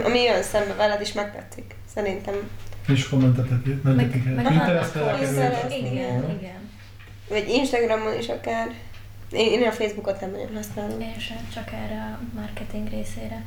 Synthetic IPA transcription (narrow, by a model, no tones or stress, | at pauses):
ʔɒ̰miønsɛmvɛlɛd̪iʃmɛk̚t̪ɛ̰t̪sːyk | sɛɾint̪ɛmiʃkomːɛnt̪ɛt̪ɛt̪imɛnɛikɛint̪ɛɾɛsɛlɛlɛɛnniɡɛn | vɒɟinʃt̪ɒɡrɒmːolḭʃɒkaːr | eneːnːelɒfeːzbukot̪nɛmlɛ̰jo̰mɦɒsnaːlieʃɛt͡ʃɒkɛːrɛɒmɒrkɛt̪iŋɡɾeːseːɾɛ